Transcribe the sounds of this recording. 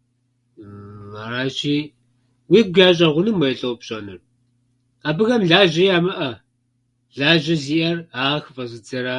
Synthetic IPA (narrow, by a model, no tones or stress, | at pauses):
aɾaːt͡ʃʼiː | wiːɡ̚ʷjaːɕʼɐʁʷʊnɨmwɐjɬʼɐwpɕʼɐnɨ̰r | aːbɨɣɐmɮaːʒɐjaːmɐʔɐ | ɮaːʒɐziːʔɐraːxɨfɐzɨd͡zɐɾaː